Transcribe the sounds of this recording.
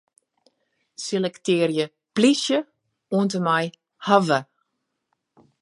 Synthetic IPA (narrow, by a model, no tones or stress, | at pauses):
selɛktɪːrjə | plisjə | uəntəmaj | havə